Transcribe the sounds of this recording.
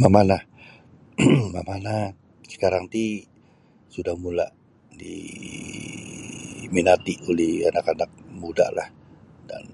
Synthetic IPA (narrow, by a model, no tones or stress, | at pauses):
mamana | mamana | sə̥kaɾaŋt̪i | sudahmulaʔ | dḭ | minat̪iʔolɛhanakanak̚muda̰hlah | da̰n